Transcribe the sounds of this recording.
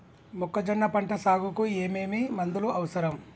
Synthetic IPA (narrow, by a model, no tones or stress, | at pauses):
mukːɐd͡ʒɐnːɐpɐɳʈɐsaːɡukueːmeːmimɐnd̪uluʔɐʋɐsɐɾɐm